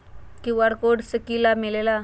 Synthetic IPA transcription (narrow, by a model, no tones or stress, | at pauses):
kiʋaɽkoɽsəkilamilela